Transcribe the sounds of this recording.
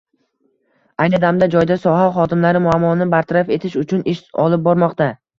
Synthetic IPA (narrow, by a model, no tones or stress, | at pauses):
ajnɪd̪amd̪ad͡ʒɒjd̪asɒɦaχɒd̪ɪmlaɾɪmʊamːɒnɪbaɾt̪ʰaɾafe̞t̪ʰɪʃʊt͡ʃʰʊnʔɪʃɒ̰lˠɪp̚bɒɾmɒqt̪a